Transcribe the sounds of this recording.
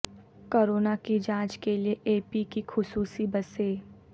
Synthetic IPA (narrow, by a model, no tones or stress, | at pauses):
koːɾoːnakid͡ʒãːt͡ʃkelieʔeːpikixʊsuːsibɐseː